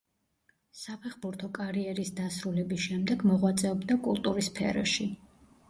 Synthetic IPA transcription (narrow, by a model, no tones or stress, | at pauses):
sapʰɛχbuɾt̪ʰɔkʼaɾiɛɾisd̪asɾulɛbisʃɛmd̪ɛɡmɔʁwat̪sʼɛɔbd̪akʼulˠt̪ʼuɾispʰɛ̰ɾɔ̰ʃi